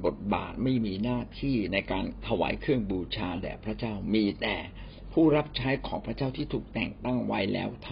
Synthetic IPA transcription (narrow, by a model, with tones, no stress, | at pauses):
bo˨˩t̪̚ba̰ː˨˩t̪̚ma˥˩jmiː˧naː˥˩t̪ʰiː˥˩na˧jkaː˧nt̪ʰa˧wa̰ː˩˦jkʰɾɯ˥˩əŋbuː˧t͡ɕʰaː˧dɛ̰ː˨˩pʰɾa˦˥t͡ɕaː˥˩wmiː˧t̪ɛː˨˩ | pʰuː˥˩ɾa˦˥p̚t͡ɕʰaː˦˥jkʰɔː˩˦ŋpʰɾa˦˥t͡ɕaː˥˩wt̪ʰiː˥˩t̪ʰuː˨˩k̚t̪ɛ̰˨˩ŋt̪a˥˩ŋwa˦˥jlɛ̰ː˦˥wt̪ʰ